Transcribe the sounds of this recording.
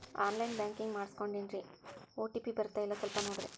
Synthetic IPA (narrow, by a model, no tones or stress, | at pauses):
aːnlɐɪnbaːŋkɪŋɡmaːɾskɔɳɖɪndrioːʈipipɛɾɯt̪ːɐjɪlɐsɛlpɐnoːɽɾɯ̰